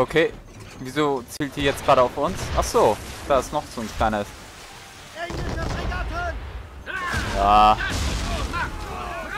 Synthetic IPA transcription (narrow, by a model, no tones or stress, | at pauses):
ʔokʰeː | viːzoːt͡siːltd̥iːɐjɛt͡stɡ̥ʁaːɾəaʊfʔʊnsʔaχz̥oːd̥aɪstnɔχt͡sunsklaɪnəs | jaː